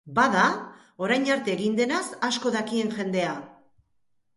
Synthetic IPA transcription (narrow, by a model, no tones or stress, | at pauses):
baða | o̞ɾajnaɾt̪e̞ːɣind̪e̞nasasko̞ðakie̞ŋxe̞nd̪e̞a